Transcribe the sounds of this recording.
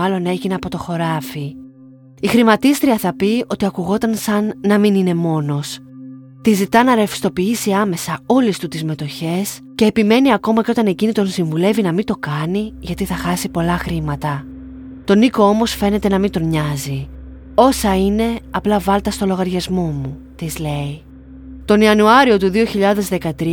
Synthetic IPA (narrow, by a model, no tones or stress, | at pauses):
ɐlo̞ne̞ʝineɐpo̞t̪o̞xo̞ɾɐfi | ixɾimɐt̪ist̪ɾiɐθɐpio̞t̪iɐkuɣo̞t̪ɐnsɐnːɐminine̞mo̞no̞s | t̪izit̪ɐnɐɾefi̥st̪o̞piisiɐme̞sɐo̞list̪ut̪izme̞t̪o̞çe̞s | ce̞ːpime̞niɐko̞mɐceo̞t̪ɐne̞cinit̪o̞nsiɱvule̞vinɐmint̪o̞kɐniʝɐt̪iθɐxɐsipo̞lɐxɾimɐt̪ɐ | t̪o̞niko̞o̞mo̞sfe̞ne̞t̪e̞nɐmint̪o̞ɲɐzi | o̞sɐine̞ɐplɐvɐlt̪ɐst̪o̞lo̞ɣɐɾʝɐzmo̞mu | t̪izle̞i | t̪o̞niɐnuɐɾio̞t̪uðio̞çiʎɐðe̞zðekɐt̪ɾi